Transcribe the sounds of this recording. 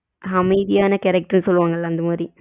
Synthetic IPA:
ɐmɐɪðɪjaːnɐkɛɾɛk̚ʈɐɾnɯsɔlːɯʋaːŋɡɐɭlːaːɐnd̪ɐmaːd̪ɾi

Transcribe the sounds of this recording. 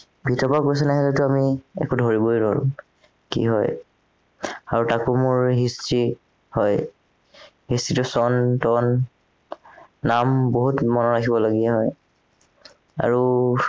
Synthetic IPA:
bʱitɔpakojs̬ɛnaɦilɛtʊamiɛ̰kudʱoɹiboidɔɹʊ̰̃ | kḭɦɔj | aɹutakumʊɹɦistɹi | hɔj | ɦistɹitʊsɔntɔn | amboɦutmɔnɔɹakʰibɔloɡiɛɦɔj | a̰ɹu

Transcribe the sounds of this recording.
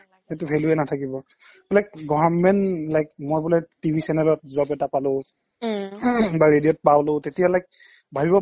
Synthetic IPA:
etʊpʰeluɛnatʰakibɔ | lajkɡɔbanmɛnlajk̚mojbulatibʱisɛnɛlɔt̚zɔpɛtapalʊ | baɹedijɔt̚pawlʊ̃tetijalajk̚ | bʱabibɔ

